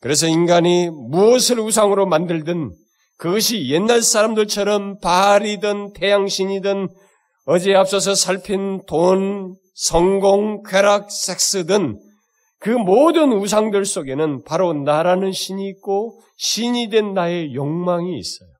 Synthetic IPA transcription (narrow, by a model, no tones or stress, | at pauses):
kɯɾe̞s̬ʰʌinɡaɲimuʌsʰɯɾus̬ʰaŋɯɾomandɯɭdɯn | kɯɡʌɕʰije̞nːaɭsʰaɾamdɯɭt͡ɕʰʌɾʌmpaɾidɯntʰe̞jaŋɕʰiɲidɯn | ʌd͡ʑeap̚s͈ʌs̬ʰʌsʰaɭpʰinton | sʰʌŋɡoŋkʰeɾak̚s͈ek̚s͈ɯdɯn | kɯmodɯnus̬ʰaŋdɯɭs͈oɡe̞nɯnpaɾonaɾanɯnɕʰiɲik̚k͈o | ɕʰiɲidwe̞nːae̞joŋmaŋḭːs͈ʌjo